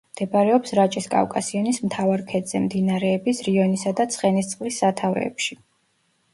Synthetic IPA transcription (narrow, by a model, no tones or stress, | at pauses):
md̪̥ɛbɾɛɔpsɾat͡ʃʼiskʼa̰vkʼasianismt̪ʰavaɾkʰɛd̪z̥ɛmd̪inaɾɛːbisɾiɔnisad̪at̪sʰʼχʼɛnist̪sʼqʼlisːat̪ʰavɾɛ̰ːpʃi